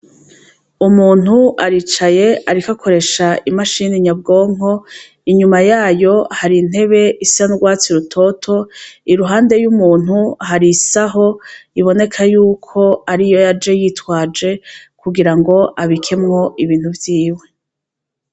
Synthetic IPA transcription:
umuːn̥huaɾit͡ʃaje̞aɾikakʰo̞ɾe̞ʃaimaʃiniɲabɡo̞ːŋɦo̞ | iɲumajaːjo̞haɾin̥he̞βe̞ʔisianuɡwaːt͡siɾutʰo̞tʰo̞iɾuɦaːnde̞jumuːn̥huɦaɾisaɦo̞iβo̞ne̞kʰajuːkʰo̞aɾijo̞jad͡ʒe̞jiːtwaːd͡ʒe̞kuɡiɾaŋɡo̞ʔaβikʰe̞mŋo̞iβiːnhuvjiːwe̞

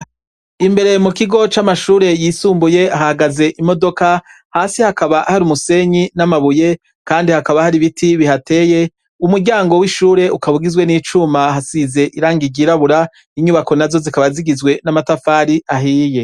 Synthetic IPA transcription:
imbe̞ɾe̞mukiɡo̞t͡ʃamaʃuːɾe̞jiːsuːmbuje̞aɦahaɡaze̞ʔimo̞do̞ka | haːsihakaβaʔhaɾumuse̞ɲinamaβuje̞ | kaːndihakaβahaɾiβitʰiβihate̞je̞ | umuɾɟaːŋɡo̞wiʃuːɾe̞ʔukaβuɡizwe̞niːt͡ʃumahasize̞ʔiɾaːŋɡiɟiːɾaβuɾa | iɲuβako̞nazo̞zikaβaziɡizwe̞namatafaːɾiʔaɦiːje̞

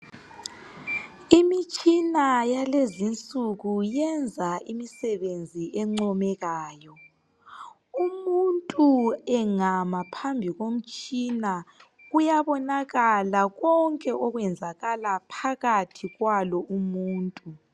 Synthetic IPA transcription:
imit͡ʃʼinajalezint͡sʼuɣujɛnd͡zʱaimisɛβend͡zʱiɛŋ͡ǀɔmɛɣaːjɔ | umuntʼuɛŋamapʰambʱiɣom̩t͡ʃʼina | ɣujaβɔnaɣalaɣɔŋkʼɛʔɔɣwɛnd͡zʱaɣalapʰaɣatʰiɣwalɔʔumuːntʼu

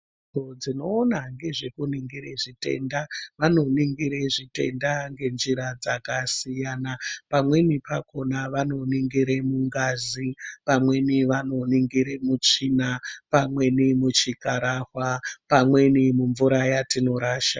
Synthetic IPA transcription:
od͡zino̞ːnaŋɡe̞ʐe̞kuniŋɡiɾeʐite̞̰ndaʋano̞niŋɡiɾeʐite̞̰ndaŋɡe̞nʐiɾad͡zakasijanapamwe̞nipako̞naʋano̞niŋɡiɾemuŋɡazipamwe̞niʋano̞niŋɡiɾemut͡ʂinapamwe̞nimut͡ʃikaɾahwapamwe̞nimuɱvuɾajatino̞ɾaːʃa

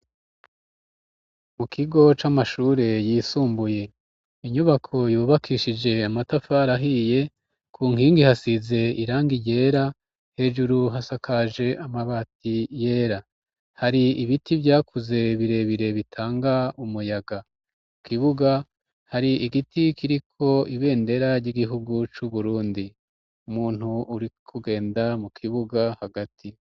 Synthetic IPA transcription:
mukʰiɡo̞t͡ʃamaʃuːɾe̞jiːsuːmbuje̞ | iɲuβakʰo̞juːβakʰiʃid͡ʒe̞amatafaɾaɦije̞ | kʰuːŋhiːŋɡihasize̞iɾaːŋɡije̞ɾa | he̞ːʒuɾuɦasakaʒe̞ʔamaβaːtije̞ːɾa | haɾiiβitivjaːkuze̞βiɾe̞βiɾe̞βitʰaːŋɡaumujaɡa | mukiβuɡa | haɾiiɡitʰikiɾikʰo̞iβe̞ːnde̞ɾaɾɟiɡiɦuɡut͡ʃuβuɾuːndi | umuːn̥huuɾikʰuɡe̞ːndamukʰiβuɡahaɡatʰi

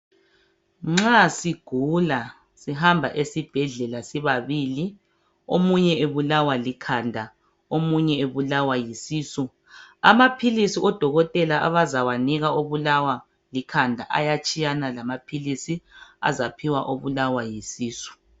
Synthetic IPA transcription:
ŋ͡ǁasiɡ̥ʱula | siɦambʱaʔesib̥ʱɛɮɛlasiβaβili | omuɲɛeβulawalikʰandʱa | omuɲɛeβulawajisiːsu | amapʰilisiɔd̥ʱɔɣɔtʼɛlaʔa̰βazawaniɣaoβulawa | likʰandʱa̰ʔajat͡ʃʼijanalamapʰilisia̰zapʰiwaʔoβulawajisiːsu̥

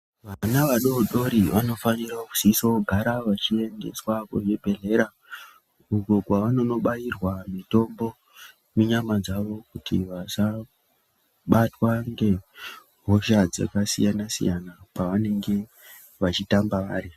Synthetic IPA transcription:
ʋaanaʋaɗo̞ɗo̞ɾiʋano̞fanirakuz̥isoɡʱaɾaʋat͡ʃie̞nde̞swakoʐebʱe̞ɮe̞ɾa | ukokwaʋano̞no̞ɓajirwamito̞mbo̞ | meɲamad͡zaʋo̞kutḭʋat͡ʃa | ɓatwaŋɡe̞ | ɦo̞ʃad͡za̰kasḭjanasḭjanapaʋane̞ŋɡe̞ | ʋat͡ʃitambaʋa̰ːɾi

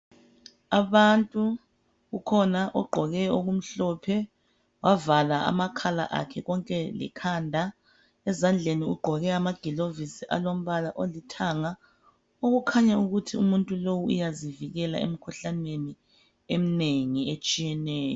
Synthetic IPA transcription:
aβantʼu | ɣukʰɔnaʔɔɡ͡ǃʱɔɣɛoɣum̩ɬɔpʰɛ | wʔavalaa̰makʰala̰ʔa̰kʰɛɣɔŋkʼɛlɛ̰kʰaːndʱa | ɛzand͡ɮʱeniuɡ͡ǃʱɔɣɛamaɡ̥ʱilovisiʔa̰lom̩βalaʔolitʰaŋa | oɣukʰaɲauɣutʰiumuntʼulowuṵjaziviɣɛla̰ḛm̩kʰuɬaneni | em̩neŋiet͡ʃʼijɛnɛːjɔ

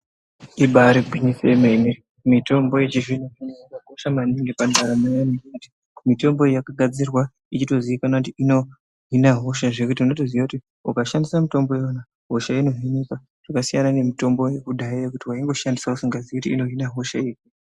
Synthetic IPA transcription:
iɓaɾibʱinisemene | mito̞mbo̞jet͡ʃiʐin̤uineiɡaɦoʃamaniŋɡepandʱaɾamajanikiti̥ | mito̞mbo̞jakaɡʱad͡zirwa | it͡ʃito̞ziikanakutiino̞ | ɦinaɦoʃaʐe̞kutiunotozijakuti | ukaʃandisamito̞mbo̞jona | ɦo̞ʃainoɦiɲika | ʐ̥akasijanane̞mito̞mbo̞je̞kuɗaijekutiwaiŋɡo̞ʃandi̥sausiŋɡazekutiːno̞ɦinaɦo̞ʃaeku

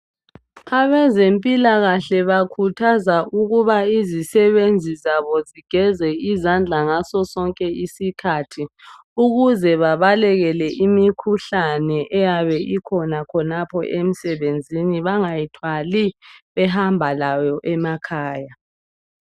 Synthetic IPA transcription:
aβɛzempʼilaɣaɬɛβakʰutʰazauɣuβaizisɛβend͡zʱizaβɔziɡ̥ʱɛzɛizand͡ɮʱaŋasɔsɔŋkʼɛisikʰatʰi | uɣuzɛβaβalɛɣɛlɛʔimikʰuɬanɛʔɛjaβɛʔikʰɔnakʰɔnapʰɔʔem̩sɛβend͡zʱiniβaŋajitʰwaliβɛɦambʱalajɔʔɛmakʰaːja

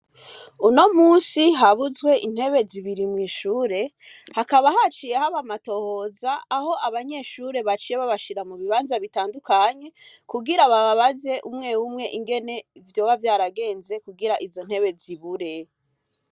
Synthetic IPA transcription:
uno̞muːnsiɦaβuzwe̞ʔin̥he̞βe̞ziβiɾimŋiːʃuːɾe̞ | hakaβahat͡ʃijehaβamato̞ho̞zaːho̞aβaɲe̞ʃuːɾe̞βat͡ʃijeβaβaʃiɾamuβiβaːnzaβitaːndukaɲe̞kuɡiɾaβaβaβaze̞ʔumŋe̞wumŋe̞ʔiŋɡe̞ne̞ivjo̞ːβavjaːɾaɡe̞ːnze̞kuɡiɾaʔizo̞n̥he̞βe̞ziβuɾe̞

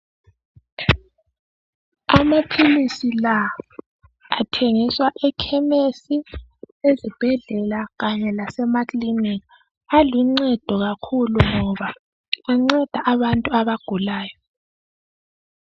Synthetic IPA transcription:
amapʰilisila | atʰeŋiswaʔɛkʰɛmesi | ezib̥ʱɛɮɛlaɣaɲɛlasɛmatʼlinika | aluŋ͡ǀɛd̥ʱɔɣakʰuluŋɔβa | wɛŋ͡ǀɛd̥ʱaʔaβantʼuaβaɡ̥ʱulaːjɔ

